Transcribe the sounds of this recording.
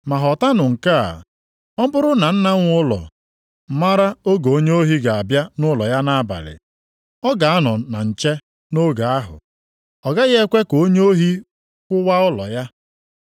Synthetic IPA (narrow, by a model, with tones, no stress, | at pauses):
ma˨ɦɔ˨ta˦nʊ˨ŋ̩˨ka̰˦˨ | ɔ˦bʊ˦ɾʊ˦na˨n̩˦na˦ŋʷ˦ʊ˦lɔ̰˨ | ma˦ɾa˦o˦ɡo˨o˦ɲe˦o˦ɦi˦ɡa˨a˨bja˦nʊ˦lɔ˨ja˦na˦a˦ba̰˨lɪ̰˨ | ɔ˦ɡa˨a˦nɔ˨na˨n̩˨t͡ʃe˦ | no˦ɡa˨a˦ɦʊ̰˨ | ɔ˨ɡa˦ɣe˦kʷe˦ko˦ɲ˦o˦ɦi˦ | kʷʊ˦wa˦ʊ˦lɔ̰˨ja˦